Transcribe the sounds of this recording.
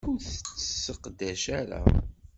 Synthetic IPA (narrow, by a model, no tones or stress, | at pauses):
uθsəqd̪æʃaɾa̰